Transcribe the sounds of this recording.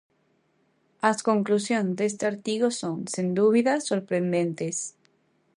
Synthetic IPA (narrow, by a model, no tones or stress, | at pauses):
askoŋklusjonzd̪est̪eaɾt̪iɣosoŋsend̪uβ̞iðasːoɾpɾend̪ẽnt̪es